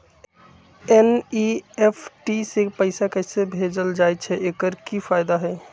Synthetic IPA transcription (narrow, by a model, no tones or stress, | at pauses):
eniepʰʈisepəɪsakəsebʱed͡ʒəld͡ʒajt͡ʃʰɛʔekəɾkipʰaɪd̪aɦɛ